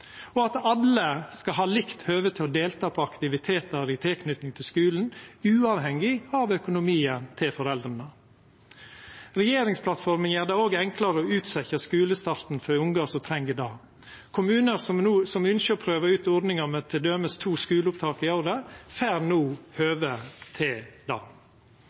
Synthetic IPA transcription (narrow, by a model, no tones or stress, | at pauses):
ɔɑt̪ɑləskɑɦɑːlɪkt̪høːʋət̪ʰɪlɔd̪eːlt̪ʰɑːpʰɔɑkt̪ɪʋɪt̪ʰeːt̪əɾɪt̪ʰɪlkʰnʏt̪nɪŋt̪ʰɪlskʉːln̩ʉːɑːʋhɛŋːɪɑʋœkʊnʊmiːənt̪ʰɪlfɔɾɛld̪ɾənə | ɾɛjeːɾɪŋspʰlɑt̪fɔɾmənjæːɾd̪ɑːoːɡɛŋklɑɾəɔʉːt̪sɛçəskʉːləst̪ɑːɾt̪n̩fɔɾɪʊŋɡɑsɔt̪ʰɾɛŋɡəd̪ɑː | kʰʊmʉːnəɾsɔuːsɔmʉnʃəɔpʰɾøːʋəɾʉːt̪ɔɾd̪nɪŋɑmət̪ʰɪd̪øːməst̪ʰuːskʉːləʊp̚t̪ʰɑːkɪɔɾd̪əfæːɾnuːhøːʋət̪ʰɪld̪ɑ̰ː